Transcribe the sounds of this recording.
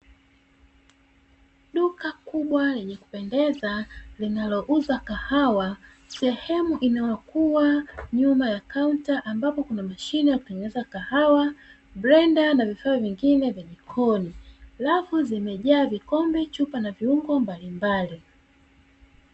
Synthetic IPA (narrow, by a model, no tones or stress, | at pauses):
ɗukakuɓwalɛɲɛku̥pɛndɛzalinalɔʔuzakahawa | sɛhɛmuʔinawakuwaɲumajakauntaʔambapɔkunamaʃinijakutɛŋɡɛnɛzakahawa | bɾɛndanavifaɔviŋɡinɛvjamikʰɔnialafuzimɛʄaːvikɔmbɛt͡ʃupanaviuŋɡɔmbalimbali